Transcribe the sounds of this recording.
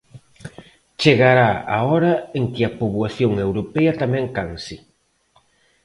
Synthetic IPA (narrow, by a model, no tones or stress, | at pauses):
t͡ʃeɣaɾaa̰ɔɾɐeŋkɪɐpoβwaθjoŋewɾopɛɐt̪amɛ̃ŋkansi